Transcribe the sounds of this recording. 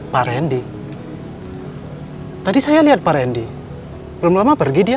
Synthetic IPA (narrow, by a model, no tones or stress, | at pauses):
paɾɛndi | t̪adisajaliɦat̪̚paɾɛndi | pɾumlamapərɡidia